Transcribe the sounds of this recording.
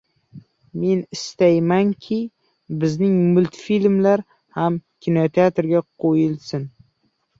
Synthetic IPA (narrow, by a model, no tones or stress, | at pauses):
me̞nɪst̪ajmaŋkʲʰɪ | bɪznɪŋmʊlt̪filmlaɾ | hamkʲʰɪnot̪ʰeat̪ɾɡʲaqʰojɪlsɪn